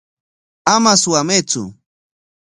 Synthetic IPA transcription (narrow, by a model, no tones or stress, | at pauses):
amaswamet͡sʊ̰